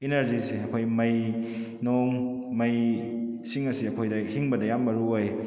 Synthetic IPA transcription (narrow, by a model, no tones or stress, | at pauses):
ineɾziseɐkʰojmɐj | noŋmɐj | siŋɐsiɐkʰojdɐhiŋbɐdɐjambɐɾuoj